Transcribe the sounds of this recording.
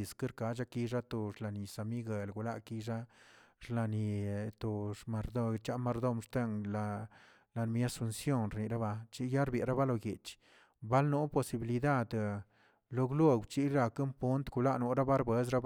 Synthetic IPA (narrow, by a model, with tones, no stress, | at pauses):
skɨ˦ɾka˧d͡ʒa˦ki˧ʐa˦t̪o˧ʂla˨ni˨sa˨mi˦ɡe˨lɡu˧la˦ʔki˧ʐa˦ʐla˧ni˨t̪o˨ma˧ɾd̪o˦˧t͡ʃa˦ma˧ɾd̪o˦˧mʂt̪e˦ŋla˧ | la˧n˧mi˦a˦su˧nsjo˦˨nɾni˨ɾa˦ba˧t͡ʃi˦ja˦ɾbe˨ɾa˦ba˦lo˧˨ɡe˨t͡ʃ | ba˦lnu˦po˧si˧bi˧li˧d̪a˦˨d̪ | lo˧ɡlu˦ɡt͡ʃi˦ɾa˧kɨ˦mpu˦nt̪ɡu˧la˦ʔnu˧˦ɾa˦ba˦ɾbe˦s̬ɾa˦